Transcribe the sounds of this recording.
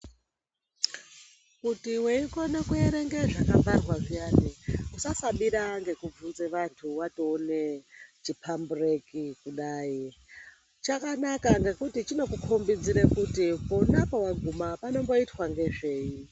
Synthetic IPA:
kutiwe̞iko̞nekueɾeŋɡe̞ʐakavarwaʐijaːneusasaɓiɾaŋɡe̞kub͡vunzeʋantʰuwato̞ːnet͡ʃipʰamburekikuɗaːi | t͡ʃakanakaŋɡe̞kutit͡ʃino̞kukʰombid͡ziɾekutipounapowaɡʱumapano̞mbo̞itwaŋɡe̞ʐe̞ːi

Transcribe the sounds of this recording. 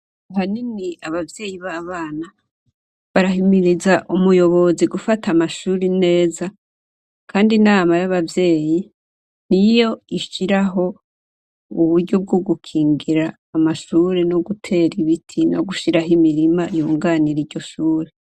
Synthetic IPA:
aɦaniniaβavje̞ːjiβaβaːna | βaɾaɦimiɾizaʔumujo̞βo̞ziɡufatʰamaʃuːɾine̞ːza | kʰaːndinaːmajaβavje̞ːji | n̥ijo̞iʃiɾaɦo̞ | uβuɾɟob̚ɡoɡukʰiːŋɡiɾaːmaʃuːɾenoɡutʰe̞ːɾiβitʰino̰ɡuʃiɾaɦimiɾimajuːŋɡaːniɾiɾɟo̞ʃuːɾe

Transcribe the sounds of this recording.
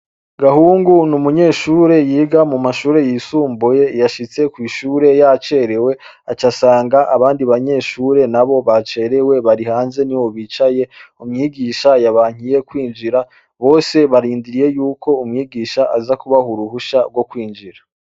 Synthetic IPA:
ɡahuːŋɡunumuɲe̞ːʃuːɾe̞jiːɡamumaʃuːɾe̞jiːsuːmbuje̞jaʃit͡se̞kwiːʃuːɾe̞jat͡ʃe̞ɾe̞we̞ | at͡ʃasaːŋɡaʔaβaːndiβaɲe̞ːʃuːɾe̞naβo̞βat͡ʃe̞ːɾe̞we̞βaɾihaːnze̞niwo̞βiːt͡ʃaje̞umŋiːɡiːʃajaβaːŋ̥ije̞kwiːnd͡ʒiɾa | βo̞ːse̞βaɾiːndiɾije̞juːkʰo̞umŋiːɡiːʃaʔazakuβahuɾuhuʃaɡwo̞kwiːnd͡ʒiɾa

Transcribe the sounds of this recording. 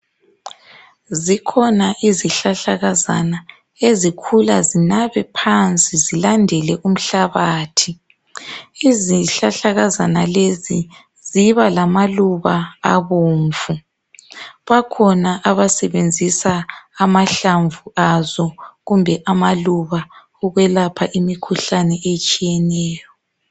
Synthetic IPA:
zikʰɔnaʔiziɬaɬaɣaza̰na | ezikʰulazinaβɛpʰant͡sʼizilandʱɛlɛʔum̩ɬaβaːtʰi | iziɬaɬaɣazanalezi | ziβalamaluβaaβoːɱvu | βakʰɔnaʔaβasɛβend͡zʱisaːmaɬaɱvuazɔɣumbʱɛʔamaluβa | ɔɣwɛlapʰaʔimikʰuɬanɛet͡ʃʼijɛnɛːjɔ

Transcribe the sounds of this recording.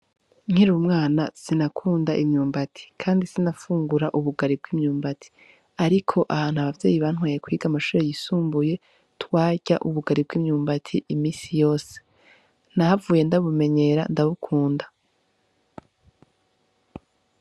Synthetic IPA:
ŋ̥hiɾumŋaːnasinakʰuːndaʔimɲuːmbatʰi̥kʰaːndisinafuːŋɡuɾaʔuβuɡaɾib̚ɡwiːmɲuːmbatʰi̥ | aɾikʰo̞ʔaβaːnhuaβavjḛːjiβaːn̥ɦwaːjekwiːɡamaʃuːɾejisuːmbuje̞ | twaːɟa̰ʔuβuɡaɾib̚ɡiːmɲuːmbatʰiʔimiːsijo̞ːse̥ | nahavuːje̞ndaβume̞ɲe̞ɾandaβukʰuːnda

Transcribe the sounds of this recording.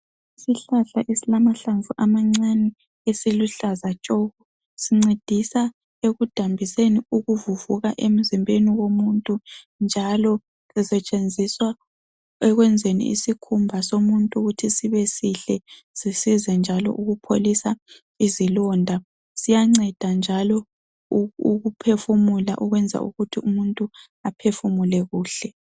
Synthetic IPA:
isiɬaɬaʔisilamaɬaɱvuʔamaŋ͡ǀanɛ | esiluɬazat͡ʃʼoɣu | siŋ͡ǀed̥ʱisa | eɣud̥ʱambʱiseniuɣuvuvuɣaʔem̩zimbʱeniwomuntʼu | nd͡ʒʱalɔ | ɛsɛt͡ʃʼend͡zʱiswa | ɛɣwɛnd͡zʱenḭḭsikʰumbʱasomuntʼuɣutʰisiβɛsiɬɛ | z̥isizɛnd͡ʒʱalɔ̰ʔuɣupʰolisa | izilɔːndʱa | sijaŋ͡ǀɛd̥ʱand͡ʒʱalɔ | uɣupʰefumula̰ʔuɣwɛnd͡zʱa̰ʔṵɣutʰiumuntʼu | apʰefumulɛɣuːɬɛ

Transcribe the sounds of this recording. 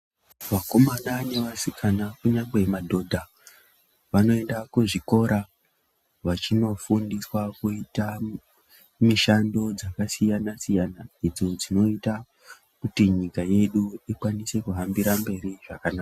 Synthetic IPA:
ʋako̞manane̞ʋasikʰanakuɲaŋɡe̞madʱo̞dʱa | ʋano̞e̞ndakuʐiko̞ɾa | ʋat͡ʃino̞fundiswakuita | miʃando̞d͡zakasijanasijanaid͡zod͡zino̞ita | kutiɲikaje̞ɗuikwanise̞kuɦambiɾambe̞ɾiʐakanaːka

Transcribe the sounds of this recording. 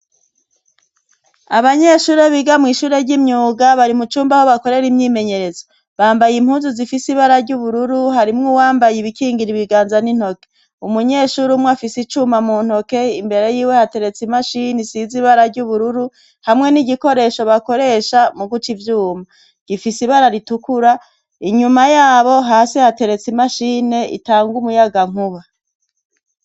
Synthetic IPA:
aβaɲe̞ʃuːɾe̞βiɡamŋiːʃuːɾe̞ɾɟimɲuːɡaβaɾimut͡ʃuːmbaho̞βako̞ɾe̞ɾimɲiːme̞ɲe̞ɾe̞zo | βaːmbajimhuːnzuzifisiβaɾaɾɟuβuɾuɾuɦaɾimŋowaːmbajiβikiːŋɡiɾiβiɡaːnzanin̥ho̞ke̥ | umuɲe̞ːʃuɾumŋwafisit͡ʃumamun̥ho̞ke̞imbe̞ɾe̞jiːwehate̞ɾe̞t͡simaʃinisiziβaɾaɾɟuβuɾuɾu | hamŋe̞niɟiko̞ɾe̞ʃo̞βako̞ɾe̞ʃamuɡut͡ʃivjuːma | ɡ̥ifisiβaɾaɾitukuɾa | iɲumajaːβo̞ɦaːsihate̞ɾe̞t͡simaʃiːne̞ḭtaːŋɡumujaɡaŋ̥uβa

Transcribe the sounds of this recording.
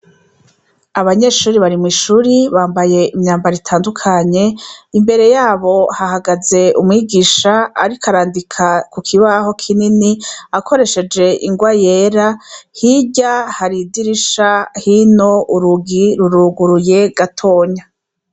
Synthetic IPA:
aβaɲe̞ʃuːɾiβaɾimwiʃuːɾiβaːmbaje̞imɲaːmbaɾitʰaːndukʰaɲe̞imbe̞ɾe̞jaːβo̞hahaɡaze̞umŋiːɡiːʃaa̰ɾikaɾaːndikʰakukʰiβaho̞kʰininiako̞ɾe̞ʃe̞d͡ʒe̞ʔḭŋɡwajeːɾahiɟahaɾidiɾiʃahino̞ʔuɾuɡiɾuɾuɡuɾuje̞ɡatʰo̞ːɲa

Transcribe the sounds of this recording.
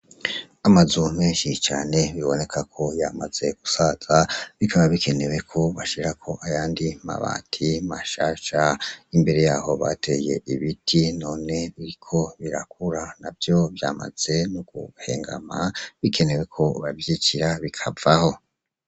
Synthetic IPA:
amazumeːnʃit͡ʃaːne̞βiβo̞ne̞kʰakʰo̞jamaz̥e̞ɡ̥usaz̥aβikʰaβaβikʰe̞ne̞we̞kʰo̞βaʃiɾakʰo̞ʔajaːndima̰βa̰ːtʰimaʃaːʃaimbe̞ɾe̞jaːho̞βatʰe̞je̞̰ʔiβitʰino̞ːne̞βiɾikʰo̞βiɾak̚uɾanavjo̞βjaːma̰z̥e̞nuɡ̥ṵhe̞̰ːŋɡa̰maβikʰe̞ne̞we̞kʰo̞βavjiciɾaβikʰavaho̞

